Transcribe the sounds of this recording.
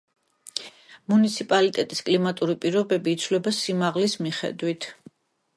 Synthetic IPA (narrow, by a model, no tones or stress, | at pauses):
munit̪sʰipʼalit̪ʼɛt̪ʼiskʼlimat̪ʼuɾipʼiɾɔbɛbiːt̪sʰvlɛbasimaʁlismiχɛ̰d̪wit̪ʰ